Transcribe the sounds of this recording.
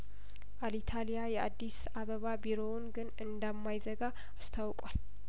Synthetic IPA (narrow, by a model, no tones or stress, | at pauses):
ʔalit̪ʰalijajɛʔad̪ːis | aβəβabiɾo̞nɡɨnɨnd̪əmːajzəɡaː | st̪ʰawkʼwal